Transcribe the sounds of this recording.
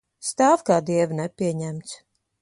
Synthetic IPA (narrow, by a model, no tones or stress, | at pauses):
st̪aːvkaːd̪iɛvnɛpʲiɛɲæmt̪s